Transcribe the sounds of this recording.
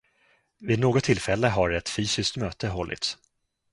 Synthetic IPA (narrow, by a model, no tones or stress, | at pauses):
vɪːd̪noːɡɔt̪ʰːɪlfɛlːəɦaɾɛt̪fyːsɪskt̪møːt̪ʰəɦɔlːʔɪ̰t̪s